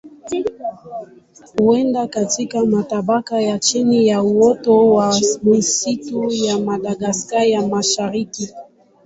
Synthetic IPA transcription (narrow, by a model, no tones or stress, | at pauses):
huɛndakatikamataɓakajat͡ʃinijauɔtɔwamisitujamaɗaɡaskaɾjamaʃaɾiki